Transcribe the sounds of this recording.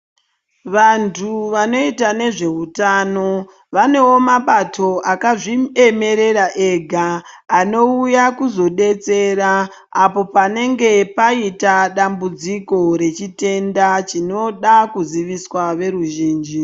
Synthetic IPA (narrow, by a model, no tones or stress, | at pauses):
ʋantʰuʋano̞itane̞ʐe̞ɦutano̞ | ʋane̞wo̞maɓatʰo̞ʔakaʐie̞me̞ɾe̞ɾaʔe̞ɡʱaː | no̞ujakuzo̞ɗe̞t͡se̞ɾaː | po̞pane̞ŋɡe̞paitaɗambud͡ziko̞ɾe̞t͡ʃite̞ndat͡ʃino̞ɗakuziʋiswaʋe̞ɾuʒiːnd͡ʒi